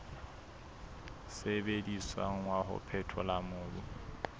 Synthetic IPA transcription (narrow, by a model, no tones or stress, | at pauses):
sebediswa̰ŋ̩wahʊ̰pʰɛtʰɔlamʊːbu